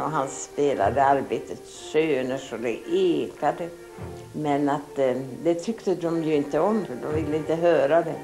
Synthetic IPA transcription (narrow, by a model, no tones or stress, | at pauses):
ɔɦanspeːla̰d̪əaɾbeːt̪ət̪ | ʃøːnəʂɔd̪ɛʔeːkad̪ə | mɛnat̪d̪ɛt̪ʰʏkt̪əd̪ɔmjɵɪnt̪əɔmfd̪ɔmvɪlːəɪnt̪əɦøːɾad̪ɛ